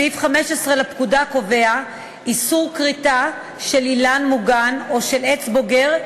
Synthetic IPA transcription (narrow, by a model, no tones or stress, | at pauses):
ifχameʃesʁelapkudako̞vea | ʔisuʁkʁita | ʃe̞lilanmuɡano̞ʃe̞let͡sbo̞ɡeʁ